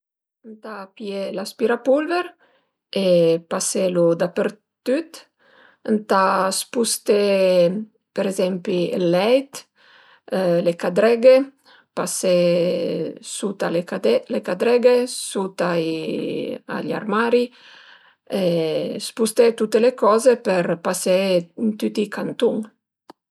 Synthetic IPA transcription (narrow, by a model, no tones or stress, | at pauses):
nt̪apjelaspiɾapulveɾ | epaselud̪apeɾ | t̪yt̪ | nt̪aspust̪e | peɾezɛmpielːɛjt̪ | lekad̪ɾɛɡe | pase | sut̪alelekad̪ɾɛɡesut̪ai | a̰ʎa̰ɾmaɾi | espust̪et̪ut̪ːelekɔzepeɾpasent̪yt̪ikʰant̪uŋ